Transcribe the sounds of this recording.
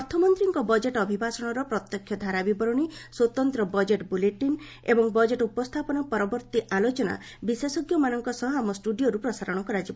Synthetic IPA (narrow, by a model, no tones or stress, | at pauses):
ɔɾt̪ʰːɔmɔnt̪ɾiŋkɔbɔd͡ʒeʈɔbʱibasɔɽ̃ɔɾɔpɾɔt̪jɔkʰːjɔd̪ʱaɾabibɔɾɔɽ̃iswɔt̪ɔnt̪ɾɔbɔd͡ʒeʈbuleʈin | ebɔŋbɔd͡ʒeʈupɔst̪ʰapɔnɔpɔɾɔbɔɾt̪iʔalot͡ʃɔna̰ | bisesɔɡjɔmanɔŋkɔsɔɦɔamɔsʈuɖioɾupɾɔsaɾɔɽ̃ɔkɔɾad͡ʒibɔ